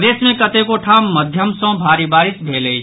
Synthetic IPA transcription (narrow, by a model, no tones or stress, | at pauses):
d̪eːsmẽkɐt̪ekoʈʰaːmːəd̪ʱjəmsɔ̃bʱaːɾibaːɪsbʱeːləi